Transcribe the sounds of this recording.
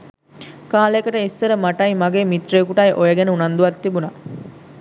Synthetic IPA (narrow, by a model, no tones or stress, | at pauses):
kaːləekəʈəisːəɾəmaʈɐjmaɡeːmit̪reːkuʈajʔojəɡɛnəunand̪uʋat̪ːibuna